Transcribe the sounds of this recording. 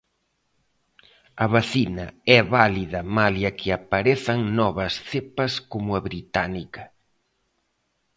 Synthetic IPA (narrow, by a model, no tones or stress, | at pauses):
ɐβaθinɐ̰ɛβaliðɐmaljɐkʰɪapaɾeθɐŋnɔβɐsθepɐskomʊɐβɾit̪anikɐ